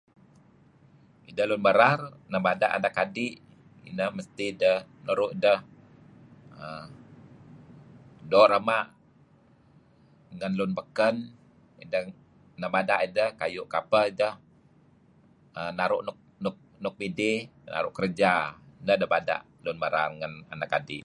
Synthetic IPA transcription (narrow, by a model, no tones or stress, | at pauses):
idəhlʊnbəɾarnəbada̰ʔa̰ndakadɪʔ | ḭnəhməst̪idəhnuɾʊʔdəh | ə | doʔɾəmaʔ | ŋənlʊnbəkən | idəh | nəbadaʔidəhkajʊʔkapəidəh | ənaɾʊʔnʊk̚nʊk̚nʊk̚midɪhna̰ɾʊ̰ʔkərd͡ʒainəhdəhbada̰ʔ | lʊnbəɾa̰rŋəna̰nakːadḭʔ